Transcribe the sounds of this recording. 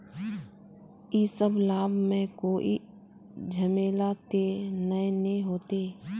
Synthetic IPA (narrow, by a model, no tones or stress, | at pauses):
isəblaːbʱmẽkoːʔḭ | d͡ʒʱəmeːlat̪enəenĩɦoːt̪eː